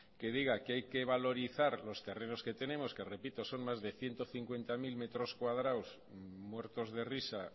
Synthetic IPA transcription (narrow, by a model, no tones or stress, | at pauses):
ke̞ð̞iɣ̞akeajke̞β̞alo̞ɾiθaɾlo̞st̪e̞re̞no̞ske̞t̪e̞ne̞mo̞ske̞re̞pit̪o̞so̞ŋmazðe̞θje̞nt̪o̞θiŋkwe̞nt̪amilme̞t̪ɾo̞skwaðɾaws | mwe̞ɾt̪o̞zð̞e̞risa